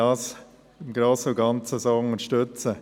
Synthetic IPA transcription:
ɑːs | ɪmɡɾoːsoɡɑnt͡səsoʊŋəʃtøt͡sə

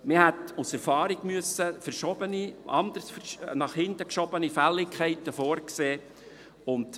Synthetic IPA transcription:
mɪhɛtusɛɾfɑːɾiɡmyəsːəfəɾʃɔb̥əniʔɑ̰nd̪əɾsfəɾʃnɑχhɪntəkʃɔb̥ənifælːɪkʰɛɪtːəfoːɾkseː | ʊnt

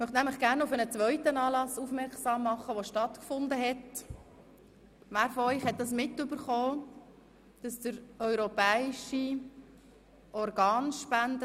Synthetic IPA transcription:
mœχtnæmləχɡ̥æːɾnʊfənət͡sʋœʏtənɑːlɑsufmɛɾksɑːmːɑχəʋoʃtɑt̪kfʊndəɦɛt | mæːɾfɔœʏχhɛt̚dɑs̬mɪtːʏbəɾχoː | d̥ɑsd̥əɾœʏɾopɛːiʃi | ʔɔɾɡɑːnʃpændə

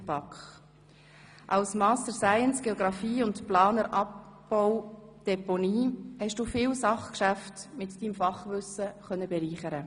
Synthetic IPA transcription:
pɑkχ | ʔɑwsmɑːstəɾsaɪənsɡ̥eɔɡɾɑfiːʊntplɑːnəɾʔɑp̚bɔwd̥ɛponiːhɛʃd̥uːfɪːlsɑχkʃæftmɪtd̥iːmfɑχʋʏsəχœnːəbɛɾiːχəɾə

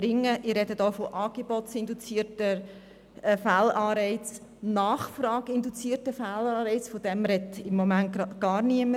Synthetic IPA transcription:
ɾɪŋːəʔɪrɾɛdədoʊfoʔɑːɡ̥ebɔtt͡sɪnd̪ut͡siːətə | fælɑːɾɛɪt͡s | nɑːχfɾɑːɡ̥ɪnd̪ut͡siːərtəfælɑːɾɛɪt͡sfod̥ɛmɾɛtɪmːɔmæntɡ̥ɑːɾniəmə

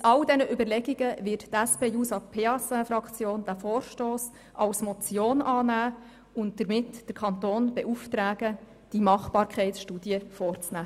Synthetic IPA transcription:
mtɑldɛnəʔybəɾlɛɡiɡəʋɪttæspeːjusɑpʰeɑsɛfɾɑkt͡sjoːnd̥æfɔːɾʃtoːs | ʔɑlsmɔt͡sjoːnɑːnæː | ʊnt̚d̥əɾmɪtd̥əɾkʰɑntoːnb̥ɛʔuftɾæːɡ̥ə | d̥imɑχb̥ɑːɾkχɛɪtsʃtuːdiəfɔːrt͡snæː

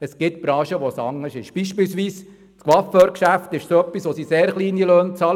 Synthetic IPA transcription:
əsɡ̥ɪtb̥ɾɑ̃ːʃəʋosɑ̰ŋəʃɪʃb̥iʃpɪlsʋiːs | skʋɑføːɾkʃæft̪ɪʃsoœpːisʋosiseːɾχliːniløːnt͡sɑl

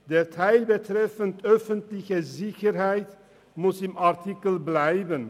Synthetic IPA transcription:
dɛtʰɛjlbətrɛfəntœfəntlɪxəzɪxərɦɛjt | mʊsɪmartikəlˠblɛjvən

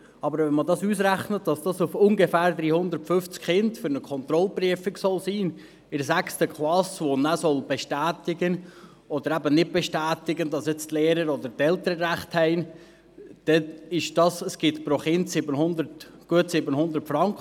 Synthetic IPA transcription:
ɑbəɾʋɛnmədɑsuːs̬ɾæχnətd̥ɑsd̥ɑsufʊŋɡefæːɾd̪ɾiːhʊnd̪əɾtfʏft͡skχɪndfʏɾnəkʰɔnt̪ɾɔlpɾyəfɪksɔlsiːn | ɪɾsækstəkχlɑsʋonæsɔlb̥eʃtæːt̪ɪɡən | ɔd̪əɾæbənɪd̚b̥ɛʃtæːtɪɡəndɑsjɛt͡stleːɾəɾɔd̪əɾtɛlt̪əɾəɾæχthɛɪn | d̪̥ɛɪʃd̥ɑsəsɡ̥ɪtpɾoχɪntsɪbənhʊnd̪ərtɡ̥uətsɪbənhʊnd̪əɾtfɾɑŋkχə

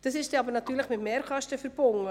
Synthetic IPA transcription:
d̥ɑsɪʃd̥ɛɑbəɾnɑtyːɾləχmɪtmeːɾkʰɑʃtəfəɾb̥ʊŋə

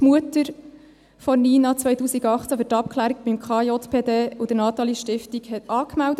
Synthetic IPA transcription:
tmuətəɾ | fɔniːnɑt͡sʋœjtuːsiɡɑχt͡sæfyɾtɑp̚kʰχlæːɾiɡbɪmkχɑjɔt̪pʰeːdeːud̥̪ənɑt̪ɑliʃtɪftiɡhɛtɑːkmældə

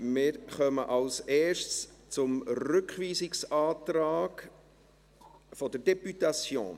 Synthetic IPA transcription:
mɪːɾχœməʔɑlsɛːʃtst͡sʊmɾʏkχʋiːzɪksɑːt̪ɾɑːɡ̥ | fɔd̥əɾdɛpytɑt͡sjo̰ːn

